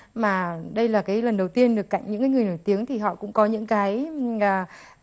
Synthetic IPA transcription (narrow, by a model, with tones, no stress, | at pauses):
maː˨˩ɗə˧jlaː˨˩kaː˨˦jlə˨˩nɗə˨˩wt̪i˧ənɗɨ˨˩kːa̰˧˨jŋɲɨ̰˧˥ŋkaː˨˦ŋɨ˨˩jnoː˧˩jt̪i˨˦əŋt̪ʰi˨˩ɦɔ̰˧˨kʊ̰˧˥ŋ͡mkɔ˨˦ɲɨ̰˧˥ŋkaː˨˦jʔəː˨˩